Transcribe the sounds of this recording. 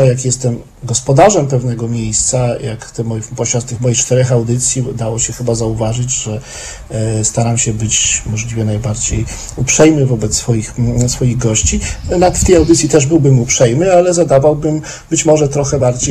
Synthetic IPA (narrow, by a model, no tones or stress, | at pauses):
ɔjakjɛst̪ɛm | ɡɔspɔd̪aʐɛmpɛvnɛɡɔmʲjejst̪sajakt̪ɛmɔpɔɕat̪t̪ɘxmɔjikt͡ʂt̪ɛɾɛxawd̪ɘt̪sʲjid̪awɔɕɛxɘbazauvaʐɘd͡ʑʐɛ | st̪aɾamɕɛbɘt͡ɕmɔʐlʲivʲjɛnajbaɾd͡ʑej | upʂɛjmɘvɔbɛt̪sːfɔjixsfɔjiɣɡɔɕt͡ɕinat̪ft̪ɛjawd̪ɘt̪sʲit̪ɛʐbɘwbɘmupʂɛjmɘalɛzad̪avawbɘm | bɘt͡ɕmɔʐɛt̪ɾɔxɛbaɾd͡ʑej